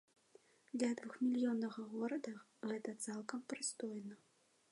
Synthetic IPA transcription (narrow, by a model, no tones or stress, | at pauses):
d̪lʲɐd̪vuxmʲilʲjɔnːɐɣɐɣɔɾɐd̪ɐ | ɣɛt̪ɐt̪salˠkɐmpɾɨst̪ɔjnɐ